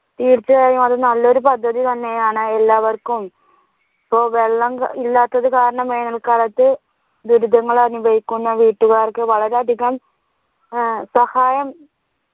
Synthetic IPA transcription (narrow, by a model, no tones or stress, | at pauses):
t̪iːrt͡ɕːɐɣaːjumɐðɨnɐlːo̞ɾupɐd̪ʱːɐðit̪ɐnːe̞jaːɳɨelːaːʋɐrkum | ipːo̞ːʋe̞ɭːɐŋilːaːt̪ːɐðɨkaːɾɐɳɐmːeːnɐlkalɐt̪ːɨ | d̪uɾud̪ʱɐŋːɐɭɐrnibʱɐjikʲːunːɐʋiːʈːuɣaːrkːɨʋɐɭɐɾeɐd̪ʱiɣɐm | sɐhaːjɐm